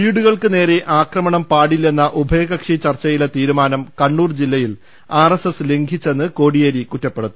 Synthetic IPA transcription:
iːɽuɣɐɭkɨne̞ːɾe̞ʔaːkrɐmɐɳɐmpaːɽilːenːɐʔubʱɐjɐɣɐkʂit͡ɕɐrt͡ɕːɐjilet̪iːɾumaːnɐmkɐɳːuːrd͡ʑilːɐjil | aːresesɨleŋɡʱit͡ɕːenːɨko̞ːɽijɐɾikutːɐpːe̞ɽut̪ːu

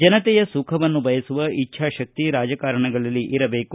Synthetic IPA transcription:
d͡ʒɐnɐt̪ɛjɐsukʰɐʋɐnːubʱɐjɐsuʋɐitːʃʰaːʃɐk̚t̪iɾaːd͡ʒɐkaːɾɐɳɐɡɐɭɐlːiʔiɾɐbe̞ːku

